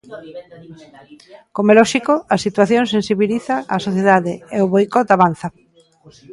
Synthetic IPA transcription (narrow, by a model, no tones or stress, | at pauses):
komelɔʃikoasit̪waθjoŋsensiβiliθaʔasoθjeðaðeeʊβojkɔt̪aβan̟θa